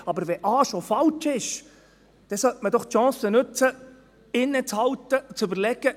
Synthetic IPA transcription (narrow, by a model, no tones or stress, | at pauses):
ɑbəɾʋɛʔɑːʃofɑlt͡ʃɪʃ | d̥ɛsœt̪məd̪ɔχt̪ʃɑ̃ːsənɵt͡sə | ɪnːət͡shɑwt̪ət͡sɵbəɾlɛɡ̥ə